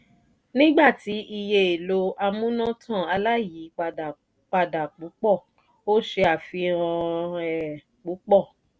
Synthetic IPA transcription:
nĩ˦ɡ͡ba˦˨ti˨˦ʔi˧je˧e˨lo˧a˧mũ˦nã˦tʰã˦˨a˧la˦˨ji˨˦˧ | k͡pa˧da˨k͡pũ˨˦k͡pɔ˦˨ | o˦ʃe˧a˨fĩ˧ã˧ɛ˨ | k͡pũ˨˦k͡pɔ˦˨

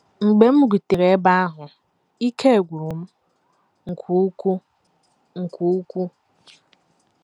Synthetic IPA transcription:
ŋ͡m̩˨ɡ͡be˨m̩˦ɡu˨te˨ɾe˨e˦ba˦a˦ɦʊ˨ | i˦kʰe˦e˨ɡʷu˨u˨m̩˦ | ŋ̩˨kʷʰu˦ku˦ | ŋ̩˨kʰʷu˦u˦kʷu˦

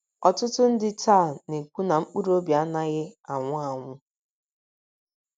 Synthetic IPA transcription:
ɔ˨tʊ˦tʊ˦n̩˦dɪ˦ta˦˨ne˨kʷu˦na˨ŋ͡m̩˦k͡pu˦ɾo˦bja˦na˦ɣɪ˦a˨ŋʷʊ˦a˨ŋʷʊ˦

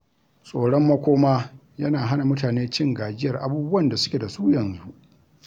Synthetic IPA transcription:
sʼoː˨ɽɔ˦mːɐ˦kʷoː˦maː˦ | jɐ˦naː˨ɦa˦na˨mʊ˦taː˨neː˦t͡ʃɪ˦ŋɡaː˨d͡ʒɪ˦jɐ˨rʔa̰˦buː˦bʊ˦wɐ˦˨nda˨sʊ˦kʲe˨da˨suː˦jɐ˨nzu˦ʔ

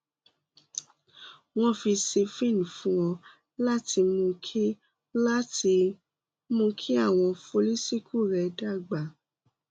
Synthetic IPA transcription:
w̃ɔ̃˦fi˧se˧fĩ˦˨ñ˨fũ˦w̃ɔ̃˧ | la˦ti˧mũ˧kʰi˦ | la˦ti˧ | mũ˧kʰi˦a˦˨w̃ɔ̃˧fo˧li˦si˦kʰu˦˨ɾɛ˧˨da˦˨ɡ͡ba˨

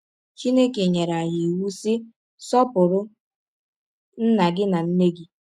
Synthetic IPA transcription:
t͡ʃi˦ne˦ke˨ɲe˨ɾa˨ji˨wu˦sɪ˦ | sɔ˦pʊ˨ɾʊ˦ | n̩˦na˨ɡɪ˦na˨n̩˦ne˦ɡi˨

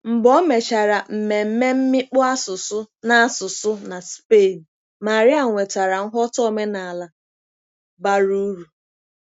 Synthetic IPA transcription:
m̩˨ɡ͡bɔ˦me˨t͡ʃa˨ɾa˨m̩˨me˨m̩˦me˦m̩˦mɪ˦k͡pʊ˦a˦sʊ˨sʊ˦ | na˨sʊ˨sʊ˦na˨spe˦˨n̩˨ | ma˨ɾɪ˦a˨ŋʷe˨ta˨ɾa˨ŋ̩˦ɦɔ˦tɔ˦me˦na˨a˨la˨ | ba˦ɾu˦ɾu˨

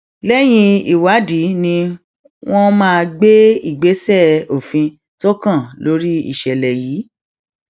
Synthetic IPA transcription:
lɛ˦j̃ĩ˧i˨wa˨˦di˨˦nĩ˧ | w̃ɔ̃˦mãː˦˧ɡ͡be˦i˦˨ɡ͡be˨˦sɛ˦˨o˨fĩ˧ | to˦kã˦˨lo˨˦ɾi˦ḭ˦˨ʃɛ˨lɛ˨jiː˨˦

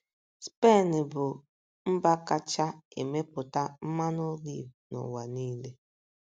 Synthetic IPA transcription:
spe˦˨nɪ˨bʊ˨ | m̩˦ba˦ka˦t͡ʃa˦e˨me˦pʊ˨ta˦m̩˦ma˦no˦ɡi˦˨nʊ̰˨wa˨niː˦le˦

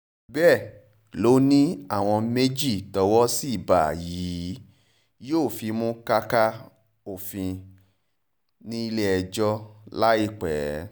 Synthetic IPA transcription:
bɛ˦˨ | lo˨˦nĩ˦a˦˨w̃ɔ̃˧me˦d͡ʒi˦˨tɔ˧wɔ˦si˦i˦˨ba˨jiː˨˦ | joː˦˨fĩ˧˦mũ˦ka˦ka˦ | o˦˨fĩ˧ | nĩ˦i˧le˦ɛ˧d͡ʒɔ˦la˦i˦˨k͡pɛː˨˦

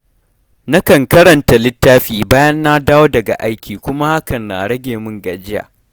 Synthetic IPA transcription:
na˦kɐ˨ŋkɐ˦ɾɐ˨nta˨lɪ˦tːaː˦ɸiː˨baː˦jɐ˦nːa˦daː˦woː˦dɐ˨ɡa̰˨ʔa˦jkʲʰiː˨kʷʊ˦ma˦ha˦kɐ˨nːa̰ː˨ɽɐ˦ɡʲeː˨mʊ˦ŋɡa˨d͡ʒɪ˦ja̰ː˨

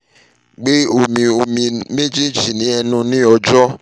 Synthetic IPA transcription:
ɡ͡be˦o˨mĩ˧o˨mĩ˧me˦d͡ʒi˦d͡ʒi˨nĩ˨˦ɛ˧nũ˧nĩ˦ɔ˧d͡ʒɔ˦

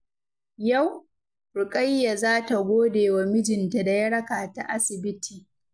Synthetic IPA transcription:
ja˦˨w | ɾʊ˨kʼa˦jːa˨zaː˦ta˨ɡʷoː˦deː˨wa˨mɪ˦d͡ʒɪ˨nta˨da˨jɐ˦ɽɐ˦kaː˨ta˨ʔa˦sɪ˨bɪ˦tʰiː˨

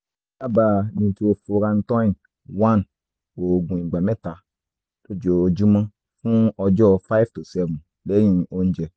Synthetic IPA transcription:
a˦baː˨nĩ˨to˧fo˧ɾã˧n˦tɔ̃˦ĩ˨n | wã˦n | o˨ɡũ˨ĩ˨ɡ͡ba˨mɛ˦ta˨ | to˦d͡ʒo˨o˨d͡ʒu˦mã˦ | fũ˦ɔ˧d͡ʒɔ˦fa˦i˦ftu˨sɛ˦vũ˨n | lɛ˨˦jĩ˦o˧n̩˦d͡ʒɛ˨

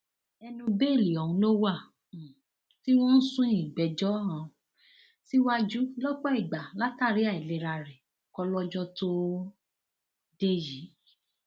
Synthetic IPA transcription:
ɛ˧nũ˧be˦e˦˨li˨ɔ̃˨ũ˧lo˦wa˦˨ | ti˦w̃ɔ̃˦n̩˦sũ˦ĩ˦˨ɡ͡bɛ˨d͡ʒɔ˦ã˧˨ | ti˦wa˦d͡ʒu˦lɔ˦k͡pɔ˦i˦˨ɡ͡ba˨la˦ta˦˨ɾi˨˦a˦˨i˨le˨ɾa˧ɾɛ˨kɔ˧lɔ˦d͡ʒɔ˦to˦ | de˦ji˨˦

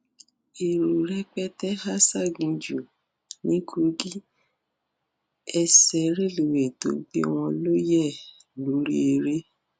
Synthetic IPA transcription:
e˨ɾu˨ɾɛ˦k͡pɛ˦tɛ˦ha˦sa˦˨ɡĩ˧d͡ʒu˨ | nĩ˦kʰo˧ɡi˦ | ɛ˧sɛ˨˦ɾe˦˨le˨we˨to˨˦bi˦ɔ˧w̃ɔ̃˧lo˦jɛ˦˨ | lo˨˦ɾḭ˦e˧ɾe˦

